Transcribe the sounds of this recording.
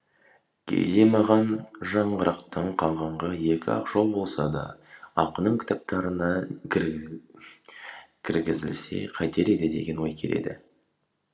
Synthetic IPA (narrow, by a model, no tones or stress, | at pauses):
kʲʰe̞̰jd̪e̞mɑʁɑnʒɑɴʁəɾɑqt̪əɴqʰɑlˠʁɑɴʁɑje̞kʲɪɑ̰qʒ̥olˠbo̞lˠsɑd̪ɑ̰ɑqənəɴkʲʰɪ̥t̪ɑp̚t̪ɑɾənɑ | kʲʰɪɾɡʲɪzɪlse̞̰qʰɑjt̪ʰe̞ɾe̞d̪ɪd̪e̞̰ɡʲe̞nwo̞jkʲʰe̞̰le̞̰d̪ɪ̰